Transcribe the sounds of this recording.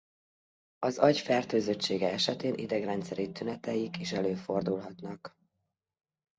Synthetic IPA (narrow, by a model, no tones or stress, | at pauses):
ɒzɒɟfɛrt̪øːzøt͡ʃːeːɡɛɛʃɛt̪eːnʔḭd̪ɛɡrɛnt̪sɛɾit̪ynɛt̪ɛjikeːʃɛløːfo̞rd̪ulɦɒt̪nɒk